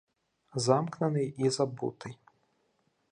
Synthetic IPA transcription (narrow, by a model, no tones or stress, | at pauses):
zamknɐnɨjizabṵt̪ʰɨj